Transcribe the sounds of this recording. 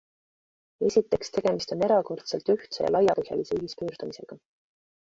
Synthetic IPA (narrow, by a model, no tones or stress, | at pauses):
e̞sʲit̪ːˑe̞kst̪e̞ɡ̥e̞mist̪o̞ne̞ɾɑko̞rt̪se̞lt̪yht̪sejɑ̰lɑjɑpɤhjɑ̰liseyɦispøːɾd̪̥umise̞̰ɡ̥ɑ